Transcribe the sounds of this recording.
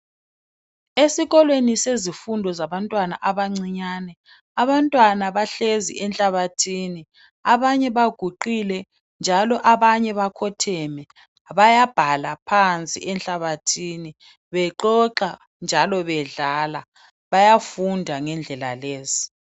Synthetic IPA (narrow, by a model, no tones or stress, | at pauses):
esiɣɔlwenisezifundʱɔzaβantʼwanaʔaβaŋ͡ǀiɲanɛ | aβantʼwanaβaɬezḭʔɛnɬʼaβatʰini | aβaɲɛβaɡ̥ʱuǃilɛ | nd͡ʒʱalɔʔaβaɲɛβakʰɔtʰɛmɛ | βajab̥ʱalapʰant͡sʼḭʔɛnɬaβatʰiːni | βɛǃɔǃa | nd͡ʒʱalɔβɛɮala | βajafundʱaŋɛnd͡ɮʱɛla̰leːzi̥